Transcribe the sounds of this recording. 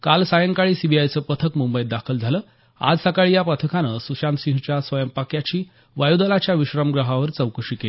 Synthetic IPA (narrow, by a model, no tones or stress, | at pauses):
kalsajəŋkaɭiːsibʱiajt͡səːpət̪ʰəkmumbəid̪akʰəld͡zʱaləː | a̰d͡zsəkaɭiːjapɾət̪ʰəkʰanəsuɕamsiɦt͡ɕjasʋəjəmpakjat͡ɕiː | ʋajud̪əlat͡ɕjaʋiɕɾəmɡɾəɦaʋəɾt͡səwkəʂike